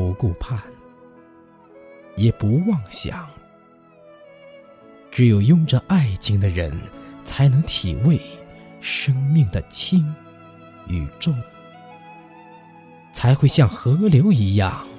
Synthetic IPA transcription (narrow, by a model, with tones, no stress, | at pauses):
u˧˥ku˥˧˩pʰa˥˩n | jɛ˨˩pu˧˥wɑ˥˩ŋɕjɑ̰˨˩˦ŋ | ʈ͡ʂɻ̩˧˥jo˨˩ʊjʊ˥˧ŋʈ͡ʂə˧ʔa˥˩ɪt͡ɕi˥ŋd̪ə˨ɻə̰˧˥nt͡sʰa˧˥ɪnɤ˧˥ŋt̪ʰḭ˨˩we˥˧ɪʂɤ˥ŋmi˥˩ŋd̪ə˩t͡ɕʰi˥ŋ | y˨˩ʈ͡ʂo˥˩ŋ | t͡sʰa˧˥ɪxwe˥˧ɪɕjɑ˥˩ŋxɤ˧˥ljo˧˥ʊi˧˥jɑ˥˩ŋ